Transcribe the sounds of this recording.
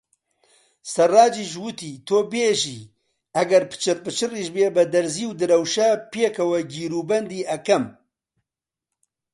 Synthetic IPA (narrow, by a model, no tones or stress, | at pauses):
sɐrːaːd͡ʒiʒwut̪iːt̪ʰoːbeːʒiː | ɐɡɐɾpɨ̥t͡ʃʰɨɾpɨt͡ʃʰɨriʒbeːbɐd̪ɐɾziːwd̪ɨɾɐwʃɐpeːkʰɐwɐɡiːɾuːbɐnd̪iːɐkɐm